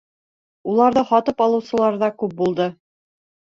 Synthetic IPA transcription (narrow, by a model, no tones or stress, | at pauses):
ulˠɑɾðɤχɑt̪ɤpɑlˠɤ̆wsɤ̆lˠɑɾðɑkʉp̚bulˠd̪ɤ